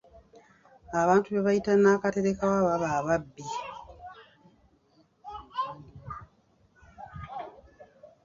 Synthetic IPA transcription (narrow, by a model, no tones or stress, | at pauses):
aβaːntuβeβajitanaːkateɾekawaβaβaβabːi